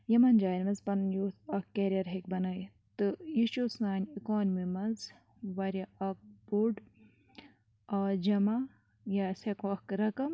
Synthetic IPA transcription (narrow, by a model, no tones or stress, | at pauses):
jɐmɐnd͡ʒaːjnʲmɐnzpɐnjoːt̪ɐkkːeɾiɐɾɦekbɐnɐj | t̪ɨjiʃoːsnaːnʲikoːnmimɐnz | ʋɐɾʲɐɐk̚boɖ | aːd͡ʒɐma | jasekoɐkɾɐkɐm